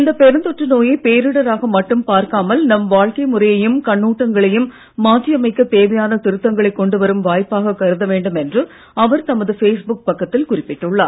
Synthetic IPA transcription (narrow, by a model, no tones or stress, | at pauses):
ɪnd̪ɐpɛɾɯnd̪ɔʈrɐnoːjɐɪpeːɾɯɽɐɾaːɣɐmɐʈːɯmpaːɾkaːmɐlnɐmʋaːɻkɐɪmʊrɐjɐjɯmkɐɳːuːʈːɐŋɡɐɭɐjɯmː | aːtːɪjɐmɐɪkːɐt̪eːʋɐjaːnɐt̪ɪɾɯt̪ːɐŋɡɐɭɐɪkːɔɳɖɯʋɐɾɯmʋaːjpːaːɣɐkɐɾɯðɐʋeːɳɖɯmɛndrɯ | ɐʋɐɾt̪ɐmɐðɯfeːsbʊk̚pɐkːɐt̪ːɪlkʊrɪpːɪʈːɯɭːa̰ːɾ